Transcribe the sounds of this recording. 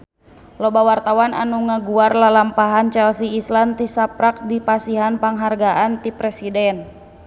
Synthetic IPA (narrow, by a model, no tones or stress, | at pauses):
lɔbawart̪awana̰nuŋaɡuarlalampaɦant͡ʃɛlsiːslant̪isapɾak̚dipasiɦanpaŋɦarɡaʔant̪ipɾɛsidɛn